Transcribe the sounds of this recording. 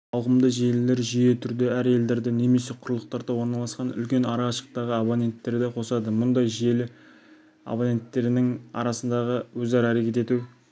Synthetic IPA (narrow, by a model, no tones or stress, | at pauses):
ɑwʁəmd̪əʒielɪle̞ɾʒije̞t̪ʰʏɾd̪ɪæɾe̞ld̪e̞ɾd̪ɪne̞me̞se̞qʰʊɾlˠəq̚t̪ɑɾd̪ɑwo̞ɾnɑlˠɑsqɑnʏ̰lkʲe̞nɑɾɑɑʃə̥q̚t̪ɑʁəabonʲe̞nt̪ːe̞ɾd̪ɪqʰo̞sɑd̪əmʊnd̪ɑjʒije̞lɪ | a̰bonʲe̞nt̪ːe̞ɾɪnɪŋɑ̰ɾɑsənd̪ɑʁəwɵzɑɾɑæɾe̞kʲe̞t̪e̞t̪uw